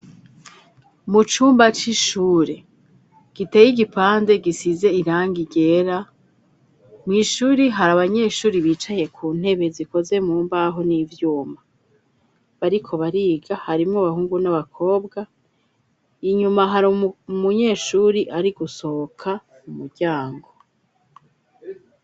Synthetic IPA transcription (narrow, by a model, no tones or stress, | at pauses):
mut͡ʃuːmbat͡ʃiʃuːɾe̞ | ɡ̥ite̞ːjiɡipaːnde̞ɡisize̞iɾaːŋɡiɡe̞ːɾa | mŋiːʃuːɾiɦaɾaβaɲe̞ːʃuːɾiβit͡ʃaje̞kʰuːn̥he̞βe̞ziko̞ze̞muːmbaɦo̞nivjuːma | βaɾikʰo̞βaɾiːɡahaɾimŋaβahuːŋɡunaβakʰo̞ːbɡa | iɲumaɦaɾumuɲe̞ːʃuːɾiʔaɾiɡuso̞kʰa | mumuɾɟaːŋɡo̞